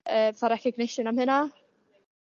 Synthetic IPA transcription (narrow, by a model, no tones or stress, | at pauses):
œθaɾɛhcɛɡnɪʃɪnamhɪna